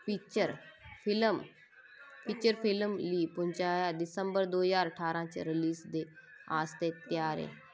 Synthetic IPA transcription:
pit͡ɕəɾfilm | fit͡ɕəɾfilmliːpʊ̃ɲt͡ɕajad̪ɪsə̃mbəɾd̪oːəzaːɾəʈʰaːɾãt͡ɕḛɾiliːsd̪e | a̰ːst̪et̪jaːɾḛ̃

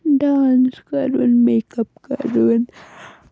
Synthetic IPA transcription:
ɖaːnskɐɾunmekɐpkɐ̰ɾun

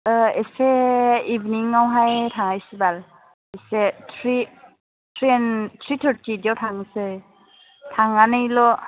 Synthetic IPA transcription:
əeseibniŋawɦajtʰaŋajsɯbal | esetʰɾi | tʰɾiɛntʰɾitʰəɾtidiawtʰaŋsɯ | tʰaŋanɯjlɔ

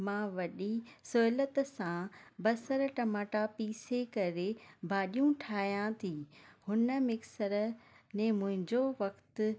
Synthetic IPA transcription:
mãːʋɐɗisʊɦɪlət̪sãbɐsəɾʈɐmaːʈapiːsekɐɾebʱaːɗijũʈʰaːɦijãt̪ʰiːhʊnəmɪksəɾnẽmʊ̃ɦɪ̃ɲd͡ʑoʋɐkt̪

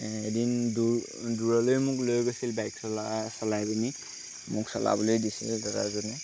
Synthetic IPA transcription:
edindu | duɹɔlojmʊklojɡojsilbajksɔlasɔlajbini | mʊksɔla̰bɔlojdisḭldaɾa̰zɔnɛ

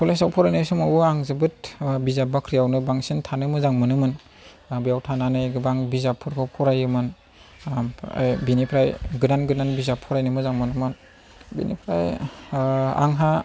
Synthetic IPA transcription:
pɔlesawpʰɔɾajnɯjsumawuaŋzɯbɯt̚bizabakʰɾijawnɯbaŋsintʰanɯmɯzaŋmɯnɯmɯn | bijawtʰananɯjɡɯbaŋbizapʰːɯɾkʰɯwpʰɔɾajɯmɯn | a̰jbinipʰɾajɡɯnanɡɯnanbizapʰːɔɾajnɯmɯzaŋmɯnɯmɯn | bḭnḭpʰɾaj | a̰ŋɦa

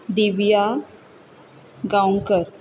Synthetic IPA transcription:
d̪iʋija | ɡawŋkəɾ

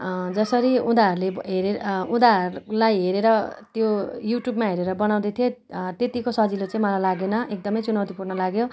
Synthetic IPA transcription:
d͡zʌsʌɾiũd̪aɦʌɾuleɦeɾeũd̪aɦʌɾulajɦeɾeɾʌt̪jojuʈjubmaɦeɾeɾʌbʌnaw̃d̪ʌt̪ʰijot̪et̪ikosʌd͡zilot͡sãĩmʌlajlaɡenʌʔek̚d̪ʌmʌjt͡sunawt̪ipurnʌlaɡjo

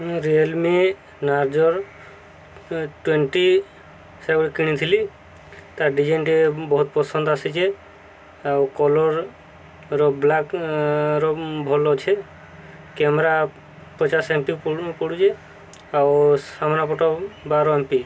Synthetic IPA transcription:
ɾielme | naɾd͡ʒɔɾ | ʈweɳʈi | seɾaɔɽikiɽ̃it̪ʰili | t̪aɾɖid͡ʒeɳʈebɔɦut̪pɔsɔnd̪ɔasit͡ʃʰe | awkɔlɔɾ | ɾɔblakɾɔbʱɔlɔt͡ʃʰe | kɛmɾa | pɔt͡ʃasempipɔɽud͡ʒe | awsamnapɔʈɔbaɾɔempi

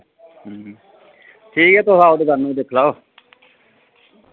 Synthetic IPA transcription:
ɦ | ʈʰiːkɛːt̪ʊsaːod̪iːɡəɾnũːd̪eːkʰlaːo

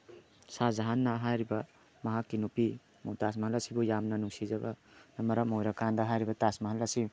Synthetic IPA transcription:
sazaɦanːɐɦajɾibɐ | mɐɦakːinupi | mowtas̬mɐɦɐlːasibujamnɐnuŋsizɐbɐ̰nɐmɐɾamojɾakʰandɐɦajɾibɐtasmɐɦɐlːasi

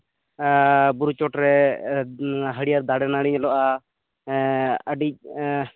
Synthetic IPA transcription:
buɾut͡ʃɔʈɾɛ | ɦəɽijaɾd̪aɽɛnaɽiɲlɔʔa | əɖic̚

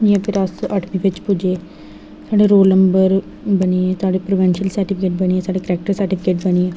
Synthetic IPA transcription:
iãːpʰɪɾəsəʈʰmĩːpɪt͡ʃpʊd͡ʒeː | saːɖeːɾoːlnəmbəɾ | bəniet̪ʊaːɖeːpɾoʋɛ̃ːnʃiəlsəɾʈɪpʰɪkeːʈ̚bənieːsaːɖeːkəɾɛːk̚ʈəɾsəɾʈɪpʰɪkeːʈbənieː

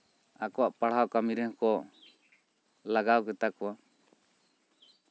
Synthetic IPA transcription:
akɔwaʔpaɽ̤awkamiɾɛhkɔ | laɡawkɛt̪akɔwa

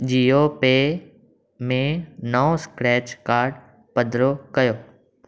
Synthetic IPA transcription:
d͡ʒiːopeː | mẽnəõskɾɛːt͡ʃkaːɾɖ | pɐd̪ɾokɐjoː

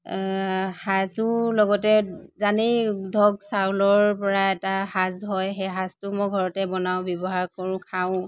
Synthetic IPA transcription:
hazʊlɔɡɔtɛzanidʱɔɡsawlɔɹpɔɹaɛtahazɦɔjɦɛɦaztʊmɔjɡʱɔɹɔtɛbɔnaʊ̃bjɔbɔɦaɹkɔɹʊ̃kʰaʊ̃

